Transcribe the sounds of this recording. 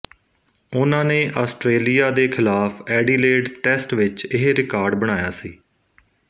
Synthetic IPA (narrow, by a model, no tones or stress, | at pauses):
ʊnãːnẽːʔaːsʈɾeːlijaːd̪eːkʰɪlaːfʰɛːɖiːleːɖʈɛːsʈʋɪt͡ʃɪɦɾɪkaːɾɖbəɽ̃aːjaːsiː